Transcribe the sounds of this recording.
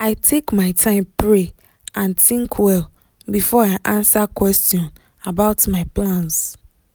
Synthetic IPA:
aɪtʰekmãɪtʰãɪ̃mpɹe | ãntʰĩŋkʰwɛl | bifɔaɪʔãnsakʰwɛstiɔ̃n | abaʊtmãɪpʰlãns

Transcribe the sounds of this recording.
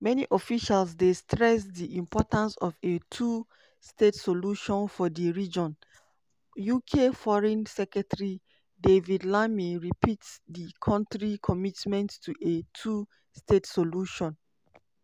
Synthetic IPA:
mɛniʔɔfiʃalsdestɹɛsdiʔĩmpʰɔtãnsɔvetʰu | stetsoluʃɔ̃nfɔdiɹid͡ʒɔ̃n | jukʰefɔɹɛ̃nsɛkɹɛtɹi | devidlamiɹipʰitdikʰɔ̃ntɹikʰɔmitmɛ̃ntːuʔetʰu | stʰetsoluʃɔ̃n

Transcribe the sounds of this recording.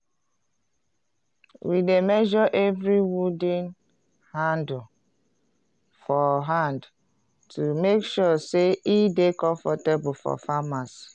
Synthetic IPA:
wʔidemɛʒɔʔɛvɾiwudĩn | hãnd | fɔɦãnd | tʰumekʃɔseʔidekɔ̃ɱfɔtebufɔ̰famas

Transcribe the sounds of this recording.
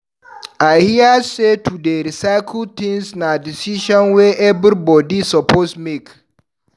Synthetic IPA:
ajhiəsetʰudeɾisaɪkʰl̚t̪ĩŋsnadisiʃɔ̃nwɛʔɛbɾibɔdisɔpʰosmek

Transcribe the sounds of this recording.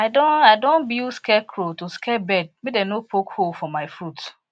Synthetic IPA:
aɪdõnaɪdõnbilskɛkʰɾotuskɛbɛd̚medɛnopʰokholfɔmaɪfɾut

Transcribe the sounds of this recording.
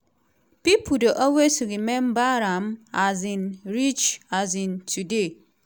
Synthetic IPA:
pipudoʔɔwesuɡimembaɾamazinɾit͡ʃazĩntʰude

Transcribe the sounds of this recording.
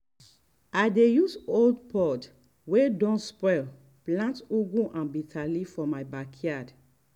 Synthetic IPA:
adejusoldpʰɔt | wedɔ̃nspɔl | plãntuɡũʔãnbitʰalifɔmaɪbakʰiad

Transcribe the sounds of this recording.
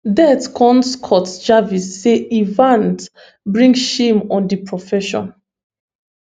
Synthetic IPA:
dɛtkʰɔ̃nskʰɔtd͡ʒavisːeivãnt | bɹĩŋɡʃimɔ̃ndipʰɹɔfɛʃɔ̰̃n

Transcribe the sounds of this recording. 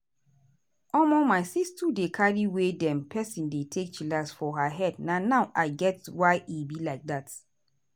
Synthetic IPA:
ɔmomaɪsistudekʰaɹiwedɛ̃mpʰɛsĩndetʰek̚t͡ʃilasfɔɦəɦɛdnanaʊʔaɪɡɛtwaɪʔibilaɪk̚dat

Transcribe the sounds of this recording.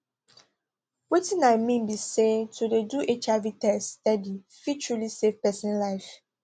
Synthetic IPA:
wetĩnaɪmĩnbisetʰudeduʔet͡ʃavitɛstɛdi | fit͡ʃulisefpɛsɛ̃nlaɪf

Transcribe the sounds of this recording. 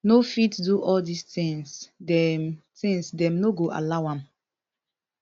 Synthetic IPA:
nofitduʔɔldistĩŋsdɛtĩŋsdɛ̃mnoɡoʔa̰laʊwãm

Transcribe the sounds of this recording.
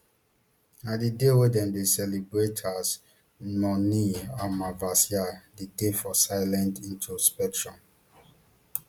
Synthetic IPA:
nadidewedɛ̃ndesɛlibɹetʰas | nɔniamavasiadedefɔsaɪlɛ̃ntĩntʰuspɛtʰɹɔ̃m

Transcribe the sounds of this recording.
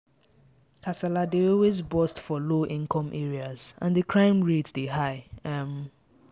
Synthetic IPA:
kʰasaladeɔlwezbɔstfɔloʔĩnkʰɔ̃mʔɛɹiazã̰nðəkʰɹãɪ̃mɹedeɦaɪm

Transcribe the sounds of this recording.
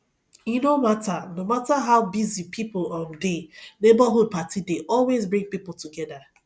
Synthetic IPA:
jinomatanomataɦaʊbizipʰipʊlɔ̃ndenebaɦud̚patideʔɔlwezbɹĩŋpipʊl̩tuɡɛda

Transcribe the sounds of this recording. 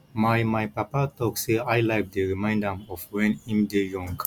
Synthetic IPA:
majmajpapat̪ɔkseajlajk̚d̪əɹimãj̃ndãmɔvwɛ̃nĩmd̪ejɔ̃ŋɡ

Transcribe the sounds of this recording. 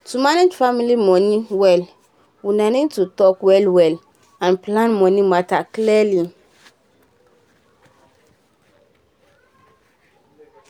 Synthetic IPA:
tumaned͡ʒfamilimɔ̃nĩwɛl | wunãnĩtutɔkwɛlwɛl | ãnplãnmɔ̃nĩmatakliɛli

